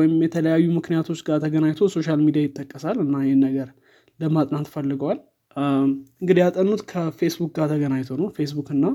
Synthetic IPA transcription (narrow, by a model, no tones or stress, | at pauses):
jɪmjɛt̪ʰələjajːumɨknijat̪ʰo̞t͡ʃːɡat̪ʰəɡənajt̪ʰoso̞ʃalmid̪ijajɪt̪ʼːəkʼːəsalɨnːajɛhnːəɡəɾ | ləmat̪ʼnant̪fəlːɨɡəwal | ɨŋɡɨd̪ijat̪ʼənːut̪kʰəfe̞sbuk̚ɡat̪ʰəɡənajt̪ʰonəwfe̞sbukɨnːa